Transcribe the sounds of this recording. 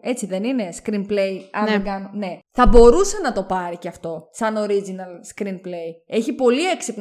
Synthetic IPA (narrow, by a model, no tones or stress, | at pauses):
e̞t͡siðe̞nine̞skɾinplejɐneɡɐnone̞θɐbo̞ɾuse̞nɐt̪o̞pɐɾiceɐft̪o̞sɐno̞ɾizinɐlskɾinple̞je̞çipo̞lie̞ksip